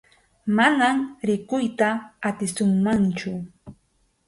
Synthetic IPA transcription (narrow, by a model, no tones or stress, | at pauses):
manamɾɪkʊjt̪aːt̪ɪsʊŋmant͡ʃʊ